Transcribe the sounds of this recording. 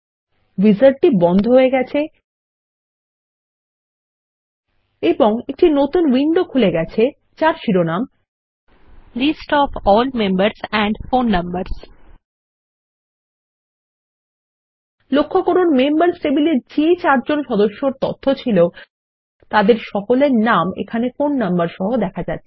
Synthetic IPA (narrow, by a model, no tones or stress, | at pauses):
wizaɾʈibɔnd̪ʱoɦoeɡɛt͡ɕʰe | eboŋek̚ʈinot̪unwiɳɖokʰuleɡɛt͡ɕʰe | t͡ɕaɾʃiɾonam | lisʈɔfɔlmembaɾsɛ̃ɳɖfonːambaɾs | lokʰːokoɾonmembaɾsʈebileɾd͡ʑet͡ɕaɾd͡ʑonʃɔd̪oʃːoɾt̪ɔ̰t̪ʰːot͡ɕʰilo | t̪ad̪eɾʃɔkoleɾnamḛkʰanefonːɐmbaɾʃɔɦod̪ɛkʰad͡ʑat̪ːʰe̥